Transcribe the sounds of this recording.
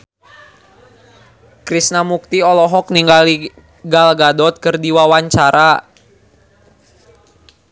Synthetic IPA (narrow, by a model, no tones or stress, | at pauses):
kɾisnamuk̚t̪iɔlɔɦɔk̚niŋɡali | ɡalɡadɔt̪̚kərdiwawaɲt͡ʃaɾa